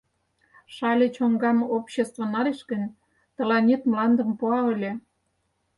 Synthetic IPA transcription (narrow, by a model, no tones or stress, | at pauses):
ʃɑlʲet͡ɕoŋɡɑmopɕest̪vŏnɑɾeʃkənʲ | t̪ə̆lɑnʲit̪mlɑnd̪ə̆mpuɑə̆lʲe